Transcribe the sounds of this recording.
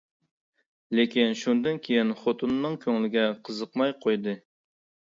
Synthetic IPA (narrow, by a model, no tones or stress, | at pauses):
lekʲinʃund̪ɨnkʲʰejinχot̪unːɨŋkʲʰøŋlɪɡʲɛqʰəzəqmɑjqʰojd̪ɨ